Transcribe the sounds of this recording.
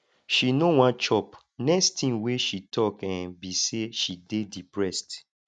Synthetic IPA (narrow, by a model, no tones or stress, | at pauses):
ʃinowãnt͡ʃɔp | nɛkstʰĩnweʃitʰɔkãnbiseʃidedipɹɛst